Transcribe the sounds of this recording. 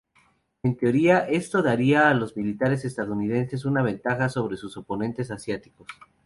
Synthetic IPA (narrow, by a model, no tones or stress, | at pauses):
e̞nt̪eo̞ɾiaʔe̞st̪o̞ðaɾiaːlo̞zmilit̪aɾe̞s̬e̞st̪aðuunið̞e̞nse̞s̬unaβ̞e̞nt̪axaso̞β̞ɾe̞suso̞po̞nẽ̞nt̪e̞s̬asjat̪i̥ko̞s